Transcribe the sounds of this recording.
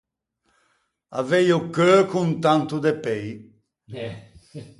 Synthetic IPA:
a̰vɛjokøkunt̪ant̪ud̪epɛj

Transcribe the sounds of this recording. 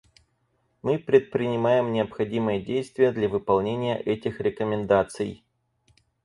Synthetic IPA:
mɨpɾʲɪt̪̚pɾʲɪnʲɪmajɪmnʲɪəpxɐdʲimɨjədʲejst̪vʲɪjəd̪lʲɐvɨpɐlˠnʲenʲɪjə̰ʔɛtʲɪxɾʲɪkəmʲɪnd̪at̪sɨ̰j

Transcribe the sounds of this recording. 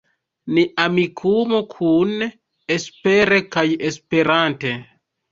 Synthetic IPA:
niʔamikʰumokʰun | espeɾekajespeɾante

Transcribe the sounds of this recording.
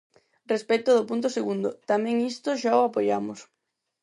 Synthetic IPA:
respɛt̪ʊðʊpunt̪̬oseɣund̪ʊt̪amɛ̃ŋist̪ʊʃaoapojamʊs

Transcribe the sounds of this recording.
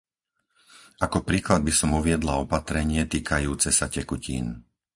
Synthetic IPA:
ʔakɔpɾiːklad̪̚bisɔmuʋɪɛd̪laɔpat̪ɾɛɲɪɛt̪iːkʰajuːt͡sɛsacɛkucḭːn

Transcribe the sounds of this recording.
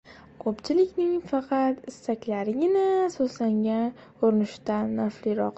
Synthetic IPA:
kʰopt͡ʃʰɪlɪkʲnɪŋfɑqʰɑt̪ɪsːakʲlaɾɪɡʲɪnasozlaŋɡʲa | oɾnɪʃt̪aːaflɪɾɒq

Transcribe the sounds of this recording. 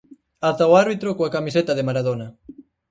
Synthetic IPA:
at̪aowaɾβit̪ɾokoakamiset̪aðemaɾað̞onɐ

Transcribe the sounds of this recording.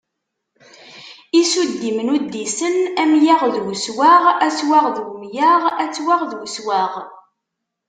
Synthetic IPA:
isud̪ːimnud̪ːisənæmjaʁðwəswaʁæswaʁðwmjaʁæt͡sːwaʁðwəswæʁ

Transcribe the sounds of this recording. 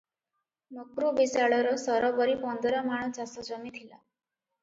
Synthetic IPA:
nokɾubisaɭɔɾɔsɔɾɔbɔɾipɔnd̪ɔɾɔmaɽ̃ɔt͡ʃasɔd͡ʒɔmit̪ʰila̰

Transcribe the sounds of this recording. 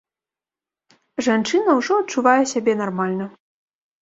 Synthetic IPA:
ʐant͡ʂɨnɐwʐɔɐt̚t͡ʂuvajɛsʲabʲɛnarmalʲnɐ

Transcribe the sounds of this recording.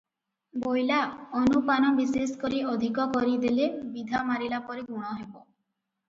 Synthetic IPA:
bojlaɔnupanɔbiseskoɾiɔd̪ʱikɔkɔɾid̪ilebid̪ʱamaɾilapɔɾiɡuɽ̃ɔɦebɔ

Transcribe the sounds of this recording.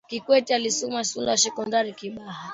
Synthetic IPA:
kikwɛtialisumasundasɛkɔndaɾikiɓaha

